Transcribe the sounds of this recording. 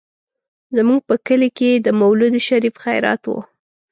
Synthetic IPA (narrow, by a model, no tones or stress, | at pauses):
zmuɡ̚pəkəleked̪əmawlud̪ʃaɾifxajɾɑ̰t̪wo̰